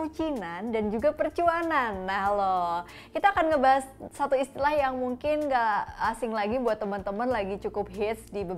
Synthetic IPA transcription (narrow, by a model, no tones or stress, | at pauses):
ut͡ʃinandand͡ʒuɡapərt͡ʃuananːahlo | kit̪aːkanŋəbaɦassat̪uist̪ilahjaŋmuŋkɪnɡaːsɪŋlaɡibuat̪ːəmənt̪əmənlaɡit͡ʃukʊp̚ɦɪt̪sdibə